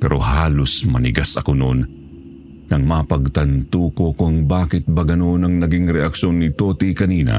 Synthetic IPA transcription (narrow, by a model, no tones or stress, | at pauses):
pɛɾʔo̞̰haːlosmɐnɪɡasɐkono̰n | nɐŋmɐpɐɡ̚t̪ɐnt̪uːkokoɐŋbaːkɪt̪̚bɐɡɐno̞nɐŋnɐɡiŋɾɛʔɐkʃo̞nːɪt̪oːt̪ikɐniːnɐ̰